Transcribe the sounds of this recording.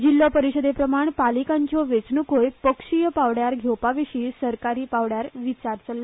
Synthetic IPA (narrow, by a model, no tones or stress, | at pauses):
d͡ʑilːɔpəɾiɕəd̪epɾəmaɳpalikãɲt͡ɕjɔʋet͡snukojpəkʂijəpaʋɽjaɾɡʱewpaʋiɕiːsəɾkaɾiːpaʋɽjaɾʋit͡ɕaɾt͡səlːə